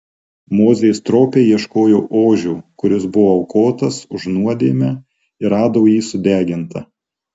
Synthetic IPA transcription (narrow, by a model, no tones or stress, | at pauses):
moːzʲɛjst̪ɾoːpʲeːjiɛʃkoːjoːʔoːʒʲuːkʊɾʲɪsbʊʋoɐʊkoːt̪ɐsʊʒnuɔd̪ʲeːmʲɛ | ɪɾɑːd̪oːjiːsʊd̪ʲæːɡʲɪnt̪ɐ